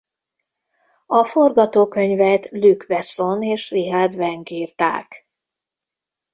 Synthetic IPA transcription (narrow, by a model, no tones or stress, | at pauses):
ɒfo̞rɡɒt̪oːkø̞ɲvɛt̪lykvɛso̞neːʃriɦard̪vɛŋɡiːrt̪a̰ːk